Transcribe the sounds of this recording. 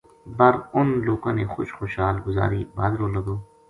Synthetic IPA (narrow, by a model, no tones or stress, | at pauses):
bɐɾʊnloːkõːneːxʊ̰ʃxoːʃɦaːlɡʊza̰ːɾibaːd̪ɾoːlɐɡoː